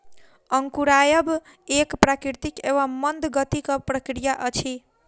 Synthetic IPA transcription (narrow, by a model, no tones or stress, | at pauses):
ʌŋkuɾajəb | ekpɾakɾiɾt̪ikeβʌmːʌnd̪ɡʌt̪ikʌpɾəkɾijaʔʌt͡ʃʰi